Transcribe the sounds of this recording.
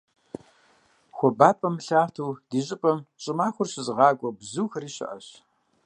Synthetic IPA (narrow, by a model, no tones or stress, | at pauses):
xʷɔbaːpʼɐmɬaːtʰuːd̥iːɕʼɪpʼɐmɕʼɪmaːxʷʊrɕɪzɨʁɑːɡʷʼɔbzuːxɐɾiːɕɪ̰ʔɐ̰ɕ